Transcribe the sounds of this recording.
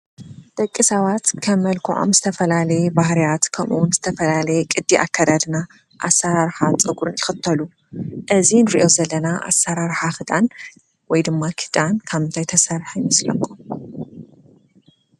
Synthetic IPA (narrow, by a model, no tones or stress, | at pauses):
d̪̥ɐkʼːɨsawat̪kʰɐmːɐlkʰuʕo̞̰mzɨt̪ʰɐfɐlalɐjebahɾijat̪kʰɐmʔṵwʊnzɨt̪ʰɐfɐlalɐjɛkʼɨd̪ːiʔa̰kʰːad̪ad̪na | ʔa̰saɾaɾħat͡sʼɨɡuɾɨnjɪxɨt̪ʰːɐlu | ʔɨzinɨɾiʔo̞zɐlːɐnaʔa̰sːaɾaɾħaxɨd̪ʼan | wɔjd̪ɨmːakʰɨ̥d̪ʼankʰaβɨnt̪ʰajt̪ʰɐsaɾħajmɐslɐ̰kʰːom